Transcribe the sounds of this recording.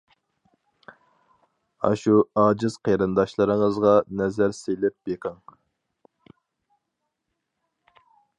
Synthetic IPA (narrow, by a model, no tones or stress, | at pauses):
ɑ̰ʃuɑːd͡ʒɨz̥qʰejɾɨnd̪ɑʃlˠɨɾɨŋəzʁɑnɛzæɾsejlɪp̚beqʰəŋ